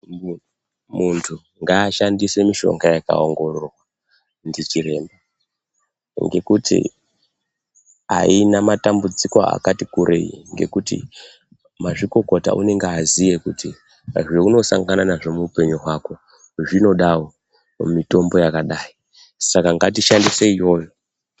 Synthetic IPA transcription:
muntʰu | ŋɡaːʃandise̞miʃo̞̰ŋɡajaka̰o̞ŋɡo̞rorwa | ndit͡ʃiɾe̞ːmba | ŋɡe̞kutʰḭ | a̰inamatambud͡zikoa̰katikuɾʔḛjḭŋɡe̞̰kutḭ | maʐiko̞ko̞ta̰ʔṵne̞ŋɡeazije̞kutʰi | aʐweuno̞sa̰ŋɡananaʐo̞muupe̞ɲuɦwako̞ | ʐino̞ɗawo | mito̞mbo̞jakaɗaːi | sakaŋɡatiʃandiseijo̞jo

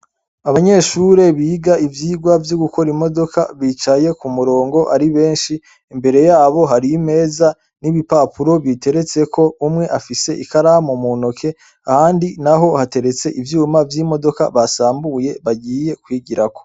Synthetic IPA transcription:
aβaɲe̞ːʃuɾe̞βiːɡaʔivjiːɡwavjoɡuko̞ɾimo̞do̞kaβit͡ʃaje̞kumuɾo̞ːŋɡo̞ʔaɾiβe̞ːnʃi | imbe̞ɾe̞jaːβo̞ɦaɾime̞ːza | niβipaːpuɾo̞βite̞ɾe̞t͡se̞kʰo̞umŋe̞ʔafise̞ʔikaɾahamumunokʰe̞ | ahaːndinaɦo̞hate̞ɾe̞t͡se̞ʔivjuːmavjiːmo̞do̞ka̰βasaːmbuje̞βaɟiːje̞kwiːɟiɾako

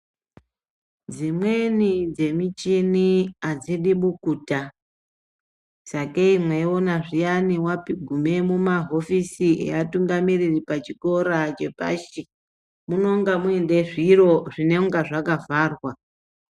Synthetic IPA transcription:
d͡zimwe̞nid͡ze̞mit͡ʃiniad͡ziɗiɓukuːta | sakeimweo̞naʐijaniwapiɡʱume̞mumaɦo̞fisiḛatuŋɡamiriripat͡ʃiko̞ɾat͡ʃe̞̰pa̰ʃi | muno̞ŋɡamuende̞ʐiro̞ʐine̞ŋɡaʐakavaːrwa

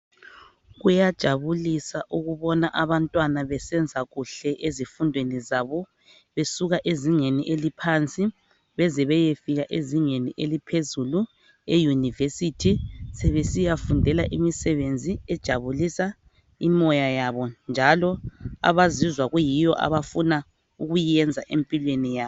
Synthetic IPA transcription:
ɣujad̥ʒ̥ʱaβulisaʔuɣuβɔnaʔaβantʼwanaβɛsɛnd͡zʱaɣuɬɛʔezifundʱwenizaβɔ | βesuɣaʔeziŋeniʔelipʰant͡sʼi | βɛzɛβɛjefiɣaʔeziŋeniʔelipʰezulu | ejunivesitʰisɛβesijafundʱɛlaʔimisɛβend͡zʱiɛd̥ʒ̥ʱaβulisa | imɔjajaβɔnd͡ʒʱalɔa̰βazizwaɣujijɔʔa̰βafuna | uɣujɛnd͡zʱaʔempʼilwenijaːɔ

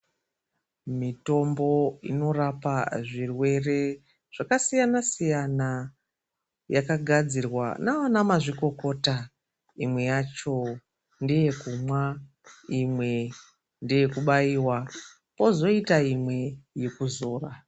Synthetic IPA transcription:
mito̞mbo̞ḭno̞rapaʐirwe̞re̞ | ʐ̥akasijanasijana | jakaɡʱad͡zirwa̰naanamaʐiko̞ko̞ta | imwe̞jat͡ʃo̞ | ndeje̞kumwa | imwe̞ | ndeje̞kuɓaiːwa | po̞zo̞itaimwe̞je̞kuzo̞ːra

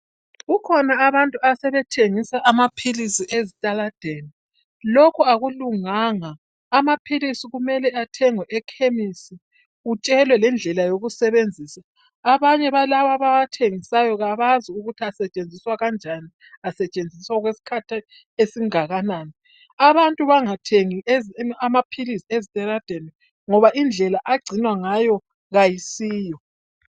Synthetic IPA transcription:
ɣukʰɔnaːβantʼuasɛβɛtʰeŋisaʔamapʰilisiʔezitʼalad̥ʱeni | lokʰuaɣuluŋaŋaː | mapʰilisiɣumɛlɛatʰɛŋwɛʔɛkʰemisi | ut͡ʃʼɛlwɛlɛnd͡ɮʱɛlajoɣusɛβend͡zʱiːsaː | βaɲɛβalaβaβaβatʰeŋisajɔɣaβaziuɣutʰiasɛt͡ʃʼend͡zʱiswaɣand͡ʒʱani | asɛt͡ʃʼend͡zʱiswaɣwesi̥kʰatʰi | esiŋaɣanaːni | aβantʼuβaŋatʰeŋiʔezamapʰilisiezitʼɛɾad̥ʱɛnɛ | ŋɔβaʔind͡ɮʱɛlaʔaɡ͡ǀʱinwaŋajɔ | ɣajisiːjɔ

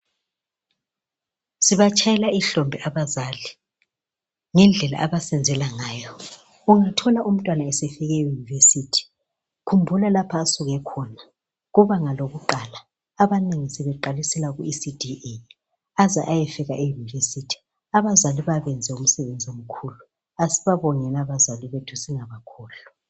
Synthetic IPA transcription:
siβat͡ʃʰʼajɛlaiɬɔmbʱɛʔaβazaːli | ŋɛnd͡ɮʱɛla̰ʔaβasɛnd͡zʱɛlaŋaːjɔ | uŋatʰɔlaʔum̩tʼwanaɛsɛfɛɣɛjunivesiːtʰi̥ | kʰumbʱulalapʰaːsuɣɛkʰɔna | ɣuβaŋaloɣuǃalaː | βaneŋisɛβɛǃalisɛlaɣuisidʱie | azaʔajɛfɛɣaʔejunivesitʰi̥ | aβazaliβaβɛnd͡zʱɛum̩sɛβend͡zʱiom̩kʰuːlu | asiβaβɔŋɛlaβazaliβetʰusiŋaβakʰɔːlu

